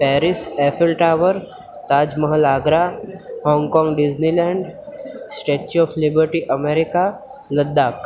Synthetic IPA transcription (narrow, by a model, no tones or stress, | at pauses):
pɛːɾɪseːfʰɪlʈaːʋəɾ | t̪aːd͡ʒməɦəlaːɡɾahɔ̃ːŋɡkɔ̃ːŋɡɖɪd͡ʒnilɛ̃ːɳɖsʈeːʈt͡ʃɔːfʰlɪbəɾʈiʔəmeːɾɪka | ləd̪ːaːk